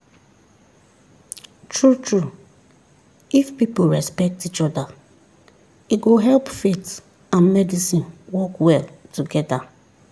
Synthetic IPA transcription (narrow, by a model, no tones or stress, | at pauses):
tʰɹutɹu | ifpipoɹɛspɛk̚tit͡ʃɔda | iɡoɦɛlpfet | ãnmɛdisĩnwɔkwɛltuɡɛda